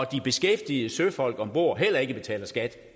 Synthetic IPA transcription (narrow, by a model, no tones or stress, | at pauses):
ɒ̽d̥ib̥e̝sɡ̥efd̥ið̩ˠəsøfɒ̽l̰ɡ̥ɒ̽mb̥o̝ɐ̰ɦel̰ɐe̝ɡ̥əb̥e̝t͡sʰɛ̰ːlɐsɡ̥æd̥